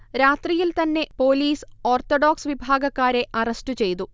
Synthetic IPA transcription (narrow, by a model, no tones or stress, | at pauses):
ɾaːt̪rijilt̪ɐnːe̞po̞ːliːso̞ːrt̪oɖoːksʋibʱaːɡɐkːaːɾe̞ʔɐrɐstɨt͡ɕe̞jt̪̬u